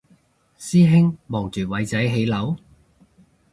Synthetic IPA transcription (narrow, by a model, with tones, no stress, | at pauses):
siː˥ɦɪ˥ŋmɔː˨˩ŋt͡ʃyː˨˩wɐ˨˧jt͡sɐ˨˥jɦe˨˧jlɐ˨˥w